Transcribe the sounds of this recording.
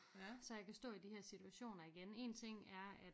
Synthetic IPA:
sɒ̽jɑ̈ɪkʰæsd̥ɔ̰̽ːid̥ihɛɐsit͡sʰuæɕo̝̰ːnɐiɡ̥ene̝̰ːnt͡sʰe̝ŋ̰æɐæ̥

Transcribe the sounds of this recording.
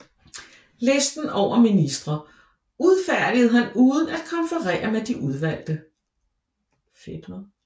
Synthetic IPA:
lesd̥n̩ɒʊ̰ɐminisd̥ʁɐ | uð̞ˠfæɐ̰d̥ið̩ˠɦænuːðˠən̩æd̥̚kʰɒ̽nfəʁɛ̰ːɐmed̥iʔuð̞ˠʋæl̰d̥ə | feb̥ɐ

